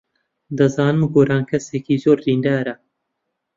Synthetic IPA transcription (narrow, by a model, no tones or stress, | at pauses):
d̪ɐzaːnɨmɡoːɾaːnkʰɐseːkiːzoːɾdiːnd̪aːɾɐ